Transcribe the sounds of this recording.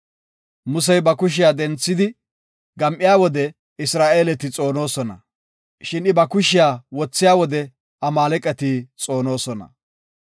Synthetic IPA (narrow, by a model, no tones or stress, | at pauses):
mʊs̬ɛjbɐkʊʃ̬ɪjaːd̪ɛnt͡sːɪd̪ɪ | ɡɐmʔɪjaːwɔd̪ɛ | ɪsɾaːʔe̞ːlɛt̪ɪt͡sʼo̞ːno̞ːsɔnɐ̰ | ʃɪnɪbɐkʊʃɪjaːwɔt͡sːɪjaːwɔd̪ɛ | ɐmaːlɛkʼːɛt̪ɪt͡sʼo̞ːno̞ːsɔnɐ̰